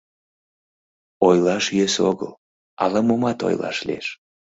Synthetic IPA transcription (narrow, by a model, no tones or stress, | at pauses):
ojlɑʃjøsoɣə̰l | ɑ̰lɑmomɑt̪o̰jlɑ̰ʃlḭḛʃ